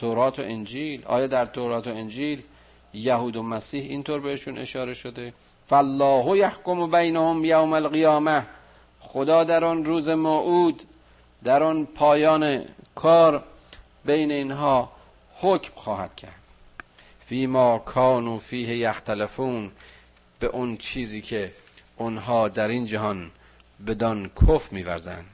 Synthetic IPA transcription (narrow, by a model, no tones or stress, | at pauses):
t̪ʰoɾɒːt̪ʰo̰ʔend͡ʒiːlʔɒ̰ːjɒːd̪æɾt̪ʰoɾɑːt̪ʰoend͡ʒiːl | jæhuːd̪omæsiːhint̪ʰoːɾbeheʃuːnʔe̞̰ʃɒːɾe̞ʃod̪e | fælːɒːɦojahkombæjnahomjawmælɣijɒːmæh | xod̪ɒːd̪æɾɔnɾuːzemoʔuːd̪ː | æɾɔnpʰɒːjɒːnekʰɒːɾ | bejneinɦɒː | hocmxɒːhæd̪̥̚cʰæ̰ɾd̪̥ | fiːmɒːkʰɒːnuːfiːhejæxt̪ælefuːn | b̥eʔʊnt͡ʃʰiːziːkʰe | onɦɒːd̪æɾind͡ʒæɦɒn | bed̪ɒnkʰofmiːvæ̰ɾzæ̰nd̪̥